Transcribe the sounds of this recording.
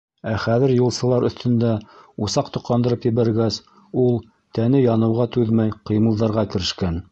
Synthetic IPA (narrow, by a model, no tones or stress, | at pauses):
æχæðɘɾjulˠsɤ̆lˠɑɾɵ̆θt̪ɵ̆nd̪æusɑq̚t̪ŏqlˠɑnd̪ɤ̆ɾɤpjɘ̆βæɾɡæs | ulˠ | t̪ænɘjɑnɤ̆wʁɑt̪ʉðmæjqɤ̆jmɤ̆lˠðɑɾʁɑkɘ̆ɾɘ̆ʃkæn